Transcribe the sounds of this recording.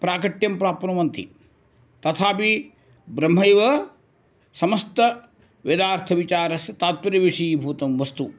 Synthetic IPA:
pɾaːkɐʈjɐmpɾaːpɐnɐʋɐnt̪ḭ | t̪ɐt̪ʰaːpi | bɾɐm̤ːɐjʋɐ | sɐmɐst̪ɐ | ʋjɐd̪aːɾt̪ʰɐʋit͡ʃaːɾɐsɐt̪aːt̪ʋɐɾɐʋiʂijbʱuːt̪ɐmʋɐst̪u

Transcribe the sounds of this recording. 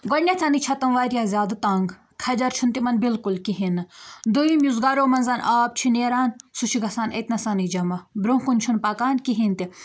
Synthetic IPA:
ɡɔɽnʲat͡sʰanit͡ʃʰɐt̪ɐmʋaːɾijaːzʲaːd̪ɨt̪aːŋɡ | kʰɐd͡ʒɐɾt͡ʃʰunt̪imɐnbilkulkiɦinɨd̪uimʲjuzɡaːɾoːmɐnzaːnʔaːp̚t͡ʃʰineːɾaːnsut͡ʃʰiɡɐsaːnɐ̰t̪nɐsaːnid͡ʒɐmɐbɾõkunt͡ʃʰunpaːkaːnkiɦint̪i

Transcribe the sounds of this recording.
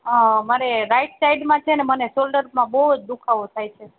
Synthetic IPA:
əmaɾeɾaiʈsajɖmãt͡ʃʰenemənesolɖəɾmãbəɦud͡ʒd̪ukʰaʋot̪ʰajt͡ʃʰe

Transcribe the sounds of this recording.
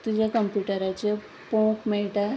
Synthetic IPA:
t̪ud͡ʑakəmpjuʈəɾat͡ɕe | põkmeʈa

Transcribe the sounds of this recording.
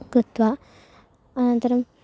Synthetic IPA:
kɾɨt̪ʋa | ɐnɐnt̪ɐɾɐm

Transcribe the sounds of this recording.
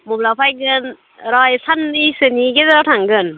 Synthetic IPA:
mublawpʰajɡɯn | ɾɔjsʰanɯjsɯniɡedɾawtʰaŋɡɯn

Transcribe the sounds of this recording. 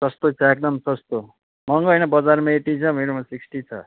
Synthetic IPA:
sʌst̪ot͡sʰʌek̚d̪ʌmsʌst̪o | mʌŋɡʌjnʌbʌd͡zarmaeʈit͡sʰʌmʱeɾomasiksʈit͡sʰʌ̰

